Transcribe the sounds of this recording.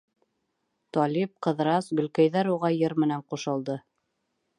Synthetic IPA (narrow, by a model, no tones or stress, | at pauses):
t̪ɒlʲip̚qɤ̆ðɾɑsɡɵ̆lkæjðæɾuʁɑjɤɾmɘ̆næɴquʃɤ̆lˠd̪ɤ